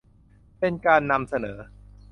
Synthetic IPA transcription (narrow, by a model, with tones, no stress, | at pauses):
pe˧nkaː˧nːa˧msa˧nɤː˩˦